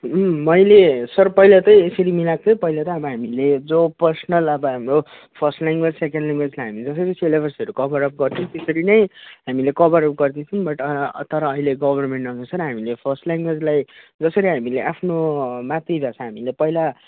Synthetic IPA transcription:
mmʌjlesʌrpʌjlat̪ʌjesʌɾimilak̚t̪ʰʌpʌjlat̪ʌʌbʌɦamiled͡zopʌrsʌnʌlʌbʌɦamro | pʰʌrsʈlaŋɡwed͡zsekeɳɖlaŋɡwed͡zlajɦamid͡zʌs̬ʌɾisʰelebʰʱʌrsʌɾukʌbʌɾʌp̚ɡʌrtʰʌt̪esʌɾinʌjɦamilekʌbʌɾʌp̚ɡʌrd̪it͡sʰʌnbʌʈʌt̪ʌɾʌːɦileɡʌbʱʌrmeɳʈʌnʌsʌɾɦamilepʰʌrsʈlaŋɡwed͡zlajd͡zʌsʌɾiɦamileʔapʰnomat̪ribʱjat͡sʰʌ̃ɦamilepʌila

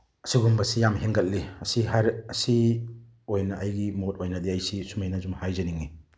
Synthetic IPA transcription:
ɐsiɡumbɐsijamɦeŋɡɐt̚liɐsiɦaɾɐsi | ojnɐʔɐjɡimot̚ojnɐdiɐjsisumajnɐzumhajzɐniŋi

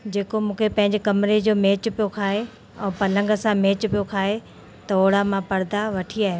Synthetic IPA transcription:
d͡ʑeːkomũːkʰepɐ̃ɦɪ̃ɲd͡ʑkɐmɪɾed͡ʑoːmeːt͡ɕpijokʰaːɦe | ɛ̃ːpɐlə̃ŋɡə̆sãmẽːt͡ɕpijokʰaːɦe | t̪ɐoːɽamãpɐɾd̪aʋɐʈʰiaːɦe

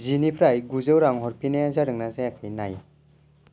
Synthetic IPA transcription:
zinipʰɾajɡuzɯwɾaŋɦɔɾpinajazaɾɯŋnazajakʰajnaj

